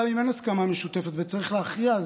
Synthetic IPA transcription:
imenaskamameʃut̪efet̪vet͡saʁiχleaχʁiaz

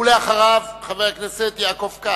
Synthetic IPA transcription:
uleaχaʁavχaveʁakneset̪jakofka

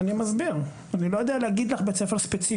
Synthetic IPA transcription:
nimazbiʁ | anilo̞jod̪ealehaɡid̪laχbe̞t͡sefeʁspet͡si

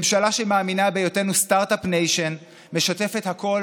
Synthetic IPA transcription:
mʃalaʃemaːminabe̞jote̞nustaʁtapnejʃen | me̞ʃate̞fe̞thako̞l

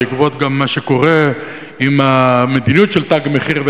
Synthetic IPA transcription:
ikbot̪ɡamːaʃeko̞ʁe | imame̞d̪inijutʃelt̪aɡmeχiʁve

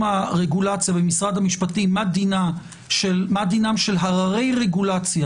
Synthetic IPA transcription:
maʁeɡulat͡sjabemisʁad̪hamiʃpatimadina | ʃelmad̪inamʃe̞lɦaʁaʁe̞jʁe̞ɡulat͡sja

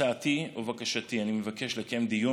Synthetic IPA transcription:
aːt̪iovakaʃat̪ianimevakeʃlekemd̪iju

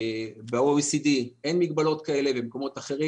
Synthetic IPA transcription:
beasidienmiɡbalo̞tkae̞lebemko̞mo̞t̪aχe̞ʁi

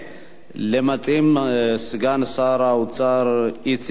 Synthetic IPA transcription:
lemat̪ʼemsɨɡansaɾawt͡sʼaɾit͡s

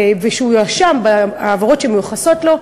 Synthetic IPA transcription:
veʃeujaʃambaaːvaʁo̞tʃemejuχaso̞tlo̞

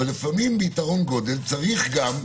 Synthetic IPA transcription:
alefamimbeitaʁo̞nɡo̞d̪e̞lt͡saʁiχɡam

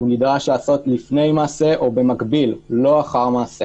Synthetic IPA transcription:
unidʁaʃlaːso̞tlifne̞jmaːse̞ʔo̞be̞makbillo̞aχaʁmaːse̞

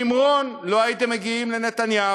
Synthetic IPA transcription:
imʁo̞nlo̞ait̪emːeɡiimlenet̪anja

